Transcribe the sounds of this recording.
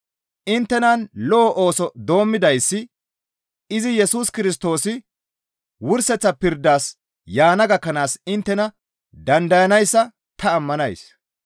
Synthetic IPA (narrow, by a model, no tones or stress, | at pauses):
ʔɪnt̪ːɛnɐnlɔːʔoːsɔd̪o̞ːmːɪd̪ɐjsːɪ | ɪzɪjɛsuːskɪɾɪs̬t̪o̞ːsɪ | wʊɾsɛt͡sːɐpɪɾd̪ːaːs | jaːnɐɡɐkːɐnaːsɪnt̪ːɛnɐ | d̪ɐnd̪ɐjɐnɐjsːɐ | t̪ɐːmːɐnɐjs